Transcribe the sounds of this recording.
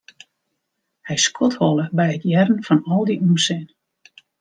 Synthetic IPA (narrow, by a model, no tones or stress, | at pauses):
hɛjskʰɔthɔlˠəbɛjətʰjɛrən̩fɔnɔlˠdiʔusɪn